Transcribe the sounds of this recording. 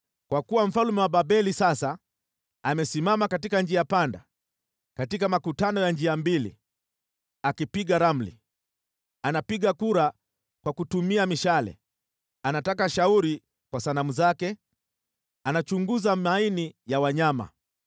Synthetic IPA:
kwakuwam̩falumɛwaɓaɓɛlisasa | amɛsimamakatikand͡ʒiapanda̰ | katikamakutanɔjand͡ʒiambilḭ | akipiɠaɾam̩lḭ | anapiɠakuɾa | kwakutumiamiʃalɛ̰ | anatakaʃauɾi | kwasanamuzakɛ | anat͡ʃuŋɡuzamainijawaɲama̰

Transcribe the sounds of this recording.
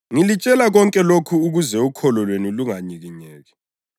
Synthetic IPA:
ŋilit͡ʃʼɛlaɣɔŋkʼɛlokʰuːɣuzɛukʰɔlɔlweniluŋaɲiɣiɲɛːɣɛ

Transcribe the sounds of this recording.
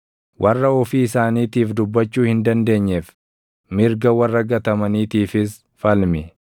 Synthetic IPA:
wʔɐrːɐɔfiːɪsaːniːt̪iːfd̪ʊbːɐt͡ʃːuːhɪnd̪ɐnd̪e̞ːɲːɛf | mɪɾɡɐwɐrːɐɡɐt̪ɐmɐniːt̪iːfɪs | fɐlmɪ

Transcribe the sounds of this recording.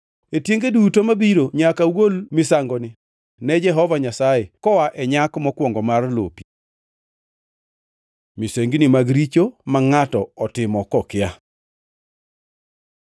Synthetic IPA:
etjeŋɡedutomabiɾoɲakawolmɪsaŋɡɔnɪ | nɛd͡ʒɛɦɔvaɲasajekɔwaʔɛɲakmɔkwɔŋɡɔmarlo̰pi̥ | miseŋɡnimaɡɾit͡ʃomaŋatɔɔtɪmɔkɔkɪja

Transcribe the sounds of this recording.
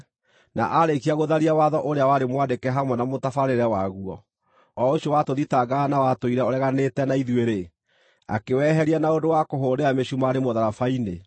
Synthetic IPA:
na̰ʔaɾekiaɣoðaɾiawaðɔʔoɾeawaɾemwandekɛɦamwɛnamotafaɾeɾɛwaɣuɔ | ɔoɕjɔwatoðitaɡanawatoiɾɛɔɾɛɣanetɛnaiðweɾe | a̰kewɛɦɛɾianaodowakoɦoɾeameɕumaɾemoðaɾafaine

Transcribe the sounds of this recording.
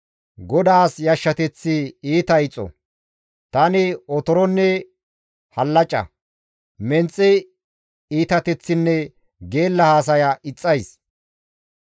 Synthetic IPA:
ɡɔd̪aːsjɐʃːɐt̪ɛt͡sːɪiːt̪ɐɪt͡sʼːɔ̰ | t̪ɐnɪɔt̪ɔɾɔnːɛ | hɐlːɐt͡ʃʼɐ̰ | mɛnt͡sʼːɛ | iːt̪ɐt̪ɛt͡sːɪnːɛ | ɡe̞ːlːɐhaːs̬ɐjɐɪt͡sʼːɐjs

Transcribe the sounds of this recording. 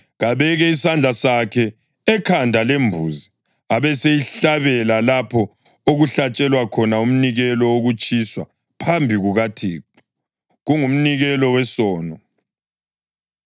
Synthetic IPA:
ɣaβɛɣɛisand͡ɮʱasakʰɛː | kʰandʱalembʱuːzi | aβɛsejiɬaβɛlalapʰɔ | oɣuɬat͡ʃʼɛlwakʰɔnaum̩niɣɛlɔoɣut͡ʃʼiswa̰ | pʰambʱiɣuɣatʰiː | ɣuŋum̩niɣɛlɔwɛsɔːnɔ

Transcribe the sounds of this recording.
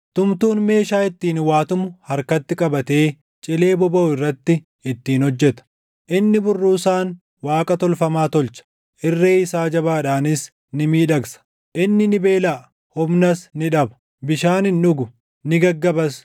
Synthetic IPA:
t̪ʊmt̪uːnme̞ːʃaːɪt̪ːiːnwaːt̪ʊmʊhɐɾkɐt̪ːɪkʼɐbɐt̪e̞ː | t͡ʃʼɪle̞ːbɔbɐʊɪrːɐt̪ːɪ | ɪt̪ːiːnhɔd͡ʒːɛt̪ɐ̥ | ʔɪnːɪbʊrːuːsaːn | waːkʼɐt̪ɔlfɐmaːt̪ɔlt͡ʃɐ̥ | ʔɪrːeːɪsaːd͡ʒɐbaːᶑaːnɪs | nɪmiːᶑɐksɐ̥ | ʔɪnːɪnɪbe̞ːlaʔ | hʊbnɐsnɪᶑɐbɐ̥ | bɪʃaːnɪnᶑʊɡʊ | nɪɡɐɡːɐbɐs

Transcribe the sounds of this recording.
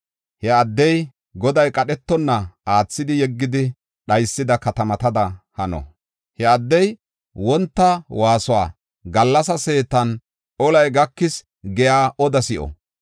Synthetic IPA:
hɛɐd̪ːɛj | ɡɔd̪ɐjkʼɐɗɛt̪ːɔnːɐaːt͡sːɪd̪ɪjɛɡːɪd̪ɪ | ɗɐjsːɪd̪ɐkɐt̪ɐmɐt̪ɐd̪ɐhɐnɔ̰ | hɛɐd̪ːɛj | wɔnt̪ːɐwaːsʊwa̰ː | ɡɐlːɐs̬ɐse̞ːt̪ɐn | ʔɔlɐjɡɐkːɪs | ɡɛjaːʔɔd̪ɐsɪʔɔ̰

